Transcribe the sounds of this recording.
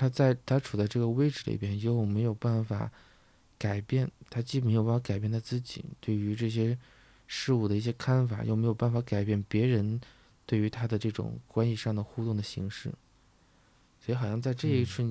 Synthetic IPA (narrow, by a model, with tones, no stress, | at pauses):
t̪ʰa˥t͡sa˥˧ɪt̪ʰa˥ʈ͡ʂʰu˨˩t͡sa˥˧ɪʈ͡ʂɤ˥˩ɡə˩we˥ɪʈ͡ʂɻ̩˥˩l̰pjɛ˥njo˥˩ʊme˧˥ɪjo˨˩ʊpa˥˩nfa̰˨˩ | ka˨˩ɪpjɛ˥˩nt̪ʰa˥t͡ɕi˥pə˨˩˧jo˨˧˩fka˨˩ɪpjɛ˥˩nt̪ʰa˥t͡sɹ̩˥˩t͡ɕḭ˨˩t̪we˥˩ɪy˧˥ʈ͡ʂɤ˥˩ɕ̬jɛ˥ | ʂɻ̩˥˧u˥˩d̪ə˩i˥˩ɕ̬jɛ˥kʰa˥nfa̰˨˩jo̰˥˩ʊme˧˥ɪjo˨˩ʊpa˥˩nfa˧˥ka˨˩ɪpjɛ˥˩npjɛ˧˥ɻə˧˥n | t̪we˥˩ɪy˧˥t̪ʰa˥d̪ə˨ʈ͡ʂɤ˥˩ʈ͡ʂʊ̰˨˩ŋkwa˥nɕi˧ʂɑ˥˩ŋd̪ə˩xu˥˧t̪ʊ˥˩ŋd̪ə˩ɕi˧˥ŋʂɻ̩˥˩ | swɔ˧˥i˧˥xɑ˨˩ʊɕjɑ˥˧ŋ˧t͡sa˥˧ɪʈ͡ʂɤ˥˧i˥˩t͡sʰɹ̩˥˩